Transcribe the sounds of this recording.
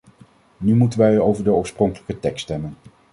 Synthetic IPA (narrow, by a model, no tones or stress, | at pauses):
nymutənʋɛjowvəɹdəɔːɹsprɔŋkələkətɛkstɛmən